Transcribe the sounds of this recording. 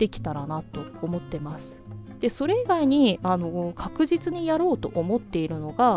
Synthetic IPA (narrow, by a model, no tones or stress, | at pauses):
d̪̥e̞kʲi̥t̪aɾanat̪ːo̞ːmo̞t̪ːe̞masɨ̥d̪̥e̞so̞ɾe̞iɡaiɲ̟iano̞kʰakɯ̟ʑit͡sɨɲ̟ijaɾo̞ːt̪o̞̰ʔomo̞t̪ːe̞iɾɯ̟no̞ɡa